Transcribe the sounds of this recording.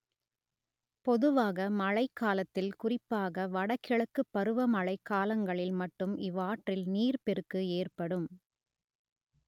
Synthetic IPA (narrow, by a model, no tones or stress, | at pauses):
pɔðɯʋaːɣɐmɐɻɐɪkːaːlɐt̪ːɪlkʊrɪpːaːɣɐʋɐɽɐkːɪɭɐkːɯpːɐɾɯʋɐmɐɭɐɪkːaːlɐŋɡɐɭɪlmɐʈːɯmɪʋaːʈrɪlniːrpɛrɯkːɯeːrpɐɽɯm